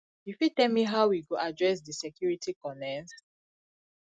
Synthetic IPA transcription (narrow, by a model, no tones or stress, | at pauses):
jifitɛlmiɦaʊwiɡoadɹɛs̬disɛkjuɹitikɔnɛ̃ns